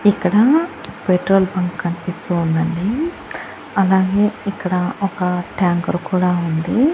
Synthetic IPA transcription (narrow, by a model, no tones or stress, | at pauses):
ikːɐɽɐpeʈɾoːlbɐŋkkːɐnipist̪uːnd̪ɐɳɖi | ɐlaːɡe̞ːikːɐɽɐɔkɐʈjaːŋkɐɾukuːɽaːund̪i